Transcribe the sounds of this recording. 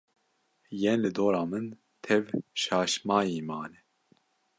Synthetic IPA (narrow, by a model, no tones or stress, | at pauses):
jɛnlɨd̪oːɾɑːmɨn | t̪ʰɛvʃɑːʃmɑːjiːmɑːnɛ